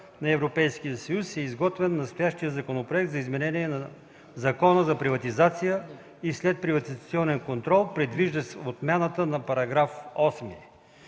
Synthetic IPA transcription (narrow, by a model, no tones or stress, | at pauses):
nɐɛvɾopɛjsk̟ijəsɐjusɛizɡɔt̪vɛnːɐst̪ojaʃt̪ijəzɐkonopɾoɛk̚t̪zɐizmɛnɛniɛnɐ | zɐkɔnəzɐpɾivɐt̪izat̪sijə | islɛt̪̚pɾivɐt̪izɐt̪siɔnɛnkont̪ɾɔlˠpɾɛd̪viʒd̪əsɛot̪mʲjanət̪ənɐpɐɾɐɡɾafɔsmi